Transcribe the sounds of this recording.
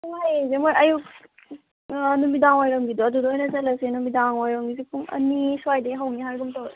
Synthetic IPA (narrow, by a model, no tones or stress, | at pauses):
uŋajzemojɐjuk | numidaŋojɾɐmɡidɔɐdudɔɦɔjnɐzɐlɐsenumidaŋojɾɐmɡizipʰuŋɐ̰niswajdeɦɐwniɦaɾɡumtaw